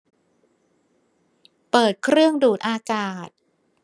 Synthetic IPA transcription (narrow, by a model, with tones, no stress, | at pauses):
pɤː˨˩t̪̚kʰɾɯ˥˩əŋduː˨˩t̪̚ʔaː˧kaː˨˩t̪̚